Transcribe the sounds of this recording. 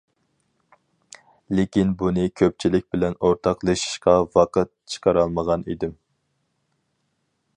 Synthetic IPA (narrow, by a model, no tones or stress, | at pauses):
lekʲinbunɨkʲʰøp̚t͡ʃʰilɪk̚ʲbɪlɛnoɾt̪ʰɑqlˠeʃi̥ʃqɑwɑqət̪̚t͡ʃʰə̥qʰɑɾɑlˠməʁɑnḭd̪ɪm